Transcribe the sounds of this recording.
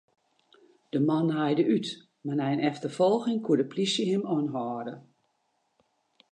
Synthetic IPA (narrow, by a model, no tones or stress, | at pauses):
d̥əmanɦajdəyt | manɛjnɛftəfɔlˠɣɪŋkʰuədəplisjəɦɪmɔnɦɔːdə